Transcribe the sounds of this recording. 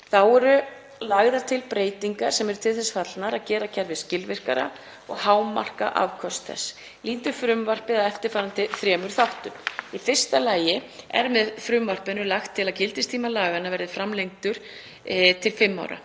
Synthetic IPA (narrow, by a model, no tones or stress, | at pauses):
θawɛɾʏ | laɣðaɾ̥t̪ʰɪlpɾeːjt̪iŋkaɾ̥sɛmɛɾʏ̥t̪ʰɪlθɛsfat̪lnaɾaðcɛːɾacʰɛɾvɪðscɪlvɪr̥ka̰ɾa̰ | ɔ̰ɣhaːwma̰r̥ka̰ʔa̰vkʰɔst̪θɛ̰s | liːnt̪ʏfɾʏmvar̥pɪðaðɛft̪ɪɾ̥faːɾant̪ɪθɾjɛːmʏɾ̥θawht̪ʏmifɪr̥st̪alaːjɪɛ̰ɾmɛðfɾʏmvar̥pɪnʏlaxt̪ʰːɪlaðcɪlt̪ɪst̪ʰiːmalaːɣanːavɛɾðɪfɾamlejŋt̪ʏɾ̥ | t̪ʰɪlfɪmːa̰wɾa̰